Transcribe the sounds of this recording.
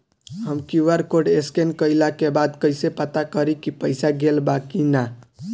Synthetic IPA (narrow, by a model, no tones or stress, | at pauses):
ɦəmkiuʋəɾkoɖeskenkəjlakebad̪kəjsepət̪akəɾikipəɪsaɡelbakina